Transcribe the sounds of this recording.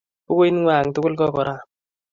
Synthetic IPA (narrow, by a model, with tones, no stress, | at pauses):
po˦ko˦i˦nŋwaː˨ŋtʊ˦kʊ˦lkɔ˦kɔ˨ɾʔa˦˨